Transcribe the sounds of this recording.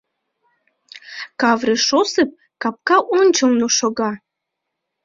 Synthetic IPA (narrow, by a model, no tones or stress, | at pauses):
kɑvɾeʃosɨp̚ | kɑp̚kɑʔonʲt͡ɕɤlnoʃoɣɑ